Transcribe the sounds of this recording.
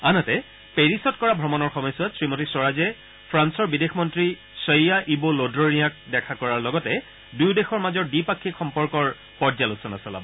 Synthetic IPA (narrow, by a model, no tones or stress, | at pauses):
anɔtɛ | peɹisɔtkɔɹabʱɹɔmɔnɔɹxɔmɔjsuatsɹimotisɔɹazɛ | pʰɹansɔɹbidexʰmɔntɹi | sɔjjaʔibolodɹɔnijak̚dɛkʰakɔɹaɹlɔɡɔtɛ | dujdexɔɹmazɔɹdipakʰːikxɔmpɔɹkɔɹ | pɔɹzalusɔnasɔla̰bɔ